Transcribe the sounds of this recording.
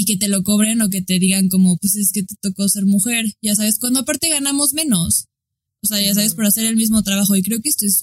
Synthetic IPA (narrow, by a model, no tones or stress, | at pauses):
ike̞t̪e̞loko̞β̞ɾeno̞k̬e̞t̪e̞ðiɣaŋko̞mo̞pwese̞ske̞t̪e̥t̪o̞kose̞ɾmuxe̞ɾʝas̬aβe̞skwand̪oapaɾt̪e̞ɣanamo̞zmẽ̞no̞s | oseaʝas̬aβe̞spoɾase̞ɾe̞lmizmo̞t̪ɾaβaxo̞ikɾe̞o̞keest̪o̞es